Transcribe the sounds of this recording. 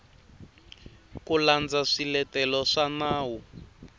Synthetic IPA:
kuland͡zaʂilɛtɛlɔʂanaːwu

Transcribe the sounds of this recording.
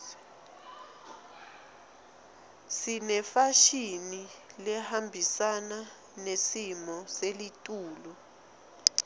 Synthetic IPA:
sinɛfaʃinilɛhambʱisana | nesimɔselitʼuːlɔ

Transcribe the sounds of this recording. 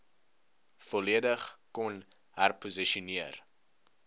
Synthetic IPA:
fɔliədəχkɔn | hærpuziʃɔniər

